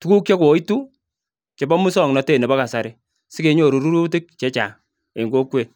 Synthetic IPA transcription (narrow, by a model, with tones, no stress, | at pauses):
tu˦ku˦k̚t͡ʃɔ˦kwo˨˦i˦tu˦ | t͡ʃe˨bɔ˦mu˦sɔ˨ŋnɔ˨te˦˨nɛ˨bɔ˦ka˨sa˨ɾɪ˨ | sɪ˦ke˨˦ɲo˨ɾu˨ɾu˦ɾu˦t̬ɪ˦k̚t͡ʃɛ˦t͡ʃa˨ | e˨ŋɡo˦kwe˦˨